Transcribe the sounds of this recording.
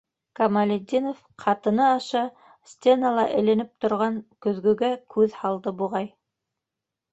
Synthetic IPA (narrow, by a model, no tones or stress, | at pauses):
kɐmalʲed̪ʲːinof | qʰɑt̪ɤ̆nɤɑʃɑ | sʲt̪ʲenalˠɑʔɘ̰̆læ̆nɘp̚t̪ŏɾʁɑŋkɵ̆ðɡɵ̆ɡækʰʉðhɑlˠd̪ɤbuʁɑj